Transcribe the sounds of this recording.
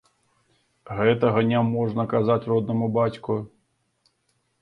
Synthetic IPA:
ɣɛt̪ɐɣɐnʲamɔʐnɐkazat͡sʲrɔd̪̚nɐmubat͡sʲku

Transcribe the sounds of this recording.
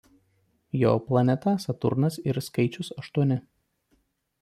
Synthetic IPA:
joːplˠɐnʲɛt̪ɐsɐt̪ʊ̰ɾnɐsɪɾskɐɪt͡ʃʲʊsɐʃt̪uɔnʲɪ

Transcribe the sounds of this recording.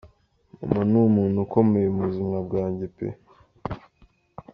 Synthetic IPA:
ṵmanuːmuːnhuko̞me̞jemuzimŋab̚ɡaːɲɟepḛ

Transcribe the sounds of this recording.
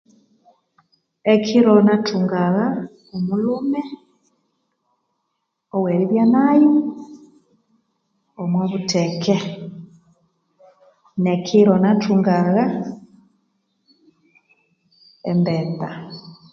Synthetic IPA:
ɛkʰiɾɔnatuŋɡaɣa | omulumɛ | ɔwɛɾiβjanaju | omwaβutʰɛkɛ | nɛkʰiɾɔnatʰuŋɡaɣa | ɛmbɛta

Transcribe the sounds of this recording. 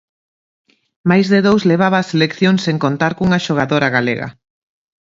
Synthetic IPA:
majzðeðowzleβ̞aβaːselekθjoŋseŋkont̪aɾkuŋaʃoɣ̞aðoɾaɣalḛɣɐ̰

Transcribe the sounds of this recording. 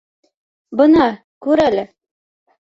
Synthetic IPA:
bɤnɑ | kʉɾælɘ

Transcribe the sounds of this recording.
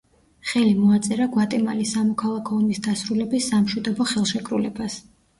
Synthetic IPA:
χɛlimɔat̪sʼɛɾaɡwat̪ʼɛmalisamɔkʰalˠakʰɔɔmisd̪asɾulɛbisːamʃwid̪ɔbɔχɛlˠʃɛkʼɾulɛbas

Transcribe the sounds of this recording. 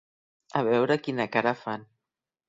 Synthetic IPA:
aβ̞ɛwɾəkinakaɾafan

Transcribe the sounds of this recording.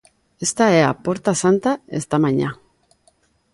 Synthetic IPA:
est̪aea̰poɾt̪asant̪ae̞st̪amaɲa

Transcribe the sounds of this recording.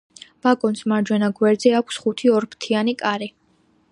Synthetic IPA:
b̥aɡʼɔnsmaɾd͡ʒwɛnaɡwɛɾd̪zɛakʷʰsχut̪ʰiɔɾpʰt̪ʰianikʼaɾi

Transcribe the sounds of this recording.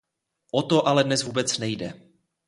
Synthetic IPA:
ʔot̪o̞ʔalɛdnɛsvuːbɛt͡snɛjdɛ̰

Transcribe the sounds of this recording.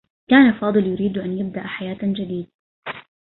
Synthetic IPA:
kaːnafɑːd̪ˤɨljʊɾiːd̪ʔanjɪb̚d̪aʔħajaːt̪d͡ʒad̪iːd̪

